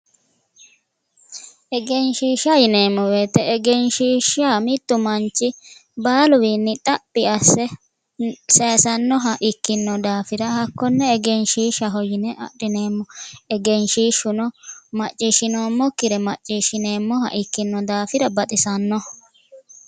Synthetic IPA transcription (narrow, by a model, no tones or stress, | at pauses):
ʔɛɡɛnʃiːʃɐjɪne̞ːmːɔweːt̪ɛɛɡɛnʃiːʃaːmɪt̪ːʊmɐnt͡ʃːɪbaːlʊwinːɪt̪ʼɐpʼːɪɐsːɛ | seːsɐnːɔɦɐʔɪkːɪnːɔd̪aːfɪɾɐhɐkːɔnːɛːɡɛnʃiːʃɐɦɔjɪnɛʔɐ̰ɗɪne̞ːmːɔɛɡɛnʃiːʃːʊnɔmɐt͡ʃʼːiːʃɪnoːmːɔkːɪɾɛmɐt͡ʃʼːiːʃɪne̞ːmːɔhɐ̰ʔɪkːɪnːɔd̪aːfɪɾɐbɐt̪ʼɪsɐnːɔ